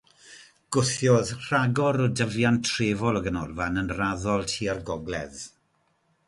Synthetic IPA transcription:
ɡ̥ʊθjɔðr̥aɡɔɾɔdəvjantʰreːvɔlˠɔɡənɔrˠvanənraðɔlˠtʰiːarɡɔɡlˠɛ̰ð

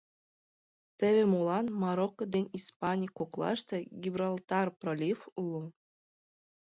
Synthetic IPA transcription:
t̪ʲɘ̆βʲĕmulˠɑnmɑɾokːŏd̪enʲispɑnʲikoklˠɑ̰ʂt̪ɤ̆ɡʲibrɑlʲˠt̪ɑrprolʲifulˠɤ̆n

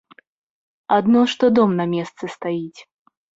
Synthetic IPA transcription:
ad̪nɔʂt̪ɔd̪ɔmnɐmʲɛst̪sɨst̪ajit͡sʲ

